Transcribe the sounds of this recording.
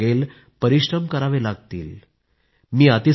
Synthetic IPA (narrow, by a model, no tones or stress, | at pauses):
el | pəɾiʂɾəmkəɾaʋelaɡ̚t̪ḭːl | miːat̪i